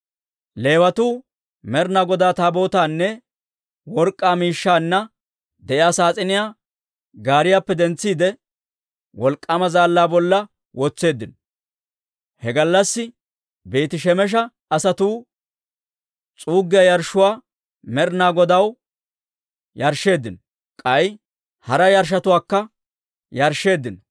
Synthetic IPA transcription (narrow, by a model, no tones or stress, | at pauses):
le̞ːwɐt̪uː | mɛɾnaːɡɔd̪aːt̪aːbo̞ːt̪aːnːɛ | wɔɾkʼːaːmiːʃːaːnːɐ | d̪ɛʔɪjaːsaːt͡sʼɪnɪjaː | ɡaːɾɪjaːpːɛd̪ɛnt͡sːiːd̪ɛ | wɔlkʼːɐmɐzaːlːaːbɔlːɐ | wɔt͡sːe̞ːd̪ːɪnɔ | hɛɡɐlːɐsːɪ | beːt̪ɪʃɛmɛʃ̬ɐ | ɐsɐt̪uː | t͡sʼuːɡːɪjɐjɐɾʃːʊwaː | mɛɾnaːɡɔd̪ɐw | jɐɾʃːe̞ːd̪ːɪnɔ | kʼɐj | hɐɾɐjɐɾʃ̬ɐt̪ʊwaːkːɐ | jɐɾʃːe̞ːd̪ːɪnɔ